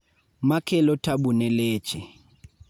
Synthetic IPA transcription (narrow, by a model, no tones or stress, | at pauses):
makʰɛlɔtʰabunɛleːt͡ʃʼɛ